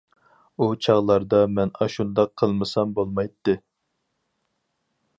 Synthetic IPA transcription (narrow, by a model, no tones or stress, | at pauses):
ut͡ʃʰɑʁlˠɑɾd̪ɑmɛnɑʃund̪ɑqʰːəlˠmɨsɑmbolˠmɑjt̪ːɨ